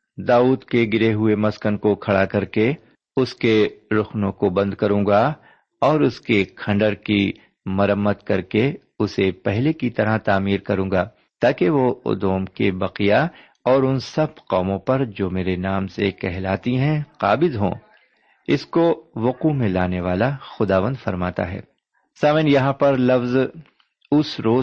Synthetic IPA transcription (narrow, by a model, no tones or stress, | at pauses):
d̪aːuːd̪keɡɪɾeɦʊemɐskənkokʰɐɽakɐɾke | ʊskeɾʊxnõkobɐ̃nd̪kɐɾũːɡa | ɔːɾʊskekʰɐ̃ɳɖəɾki | mɐɾəmːət̪kɐɾke | ʊsepɛɦlekit̪ɐɾat̪aːmiːɾkɐɾũːɡaː | t̪aːkeʋoʊ̰d̪oːmkebɐqija | ɔːɾʊnsɐbqɔːmõpɐɾd͡ʒoːmeːɾenaːmsekɛɦlaːt̪iɦɛ̃qaːbɪzɦõ̰ː | ɪskoʋʊqumẽlaːneʋaːlaxʊd̪aːʋə̃nd̪fɐɾmaːt̪a̰ɦɛ̰ː | saːʋɪnjɐɦãpɐɾlɐfz | ʊsɾoː